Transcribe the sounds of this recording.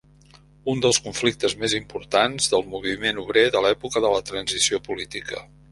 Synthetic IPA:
und̪əlˠskuɱflik̚t̪əzmezimpuɾt̪anzðəlˠmuβ̞imenuβɾeðəlɛpukəðələt̪ɾənzisiopulit̪ikə̰

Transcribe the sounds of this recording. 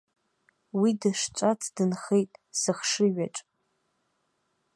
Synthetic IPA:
widɨʂt͡ʃʷʼat͡sʰdɨnχejtʼsɨχʂɨɥa̰ʈ͡ʂʼ

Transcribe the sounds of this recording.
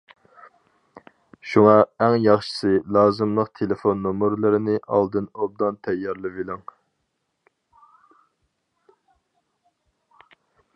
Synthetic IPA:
ʃuŋɑɛŋjɑχʃɨ̥sɨlˠɑːzɨmlˠəqt̪ʰelefonːomɨɾlˠɨɾɪnɪʔɑ̰lˠd̪ɨnob̚d̪ɑnt̪ʰɛjːɑɾlˠɨvilɪŋ

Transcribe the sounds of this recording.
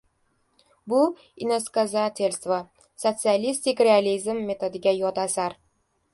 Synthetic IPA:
bʊ | inoskazat̪ʰelʲst̪va | sot̪sɨalʲist̪ɪkʲɾʲealʲizmːet̪ʰod̪ɪɡʲajɒt̪asaɾ

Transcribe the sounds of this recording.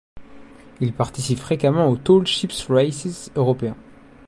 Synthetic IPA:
ilpaʁt̪isipfχekamɑ̃ot̪olʃipsʁajsisøʁɔpeɛ̃

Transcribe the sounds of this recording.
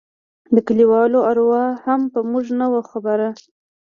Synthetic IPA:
d̪əkaliwɑloaɾwɑhampəmuʐnəwaxabaɾa

